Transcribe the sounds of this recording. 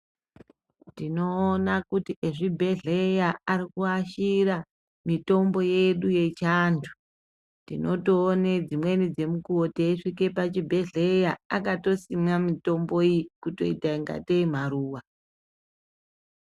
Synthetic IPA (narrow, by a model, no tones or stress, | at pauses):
dino̞ːnakutiʔeʐibʱe̞ɮejaaɾikuaʃiɾa | mito̞mbo̞jeɗuje̞t͡ʃaːntʰu̥ | ndino̞toːned͡zimwe̞nid͡ze̞mukuoteiʂike̞pat͡ʃibʱe̞ɮe̞jaakato̞simamito̞mbo̞ikuto̞̰itaiŋɡa̰teim̤aɾuːwa